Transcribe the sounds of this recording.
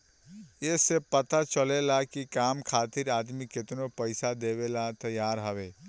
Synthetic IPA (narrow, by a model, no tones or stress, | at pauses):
esepət̪at͡ʃəlelakikamkʰaːt̪iɾaːd̪miket̪nopəɪsad̪eβelat̪əjaɾɦəbe